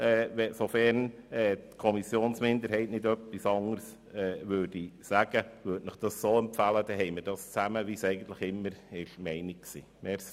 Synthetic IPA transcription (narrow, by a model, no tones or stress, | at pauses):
ɛvɛsofɛɾnɛːtkʰɔmisjoːnsmɪnd̪əɾɦhɛɪtnɪdœpːisɑŋəɾs | ɛːʋøːɾd̥isæɡ̥əʋøɾtnəχd̥ɑssoːɛmpfæləd̥̪ɛɦɛɪməɾd̥ɑst͡sæməʋisɛɪɡən̩t̪ləχɪmːəɾɪʃmɛɪnikksḭːmɛɾs